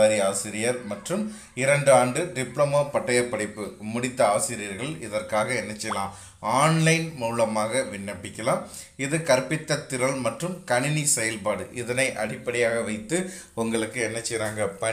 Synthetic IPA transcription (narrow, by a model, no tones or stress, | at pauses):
ɐɾiaːsɪɾɪjɐɾmɐʈrɯm | ɪɾɐɳɖaːɳɖɯɖɪpɭɐmɐpɐʈːɐjɐpːɐɽɪpːɯmʊɽɪt̪ːɐɐːɐsɪɾɪjɐɾɣɐɭɪðɐrkaːɣɐɛnːɐt͡ʃːɛjɐlãː | aːnlɐɪnmuːlɐmaːɣɐʋɪnːɐpːɪkʲːɐlãːm | ɪðɯkɐɾpːɪt̪ːɐt̪ːɪɾɐɭmɐʈrɯmkɐɳɪnisɛjɐlpaːɽɯʔɪðɐnɐɪʔɐɽɪpːɐɽɪjaːɣɐʋɐɪt̪ːɯ | ʊŋɡɐɭɯkːɯɛnːɐt͡ʃːɛjɾaːŋɡɐpɐ